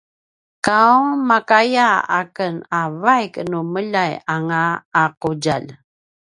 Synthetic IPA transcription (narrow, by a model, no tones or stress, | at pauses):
kauŋmakajaa̰kənavajknuməʎajaŋaːquɟal